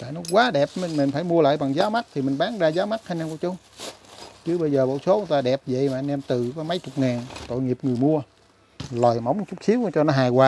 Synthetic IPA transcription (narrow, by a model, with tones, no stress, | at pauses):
t̪a̰ː˧˨nɔ˨˦kwaː˨˦ɗɛ˨˩p̚mi˨˩ŋmi˨˩ŋ̟faː˧˩jmu˧əla̰ː˧˨jɓa˨˩ŋzaː˨˦wma˦˥t̚t̪ʰi˨˩mï˨˩ŋ̟ɓaː˨˦ŋzaː˧zaː˨˦wma˦˥t̚haː˧nʔɛː˧ku˧˩˦t͡ɕʊ˧˦ŋ͡m | t͡ɕɨ˨˦ɓə˧jzəː˨˩ɓo̰˧˨wso˨˦ʔʊ˨˦ŋt̪aː˧ɗɛ˨˩p̚zə̰˧˨jmaː˨ʔa˧nʔɛ˧mt̪ɨ˨˩kɔ˨˦ma˨˦jt͡ɕʊ˨˩k͡p̚ŋaː˨˩nt̪o̰˧˨jŋi˨˩p̚ŋɨ˨˩əjmu˧ə | lɔ˨˩jma˨˦wŋ͡mt͡ɕʊ˦˥k͡p̚si˨˦wt͡ɕɔ˧nɔ˨˦ɦaː˨˩jkwaː˧